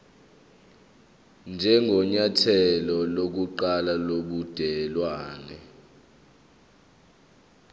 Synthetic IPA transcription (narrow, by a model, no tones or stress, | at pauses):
nd͡ʒʱɛŋʱɔɲatʰɛlɔlok̬uǃalaloɓud̥ʱɛlwaːnɛ